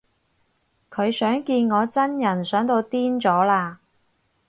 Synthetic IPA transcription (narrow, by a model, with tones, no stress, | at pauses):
kʰɵ˨˧ɥsœː˨˥ŋkiː˧nŋɔː˨˧t͡sɐ˥njɐ˨˩nsœː˨˥ŋt̪o˧wt̪iː˥nt͡sɔː˨˥laː˧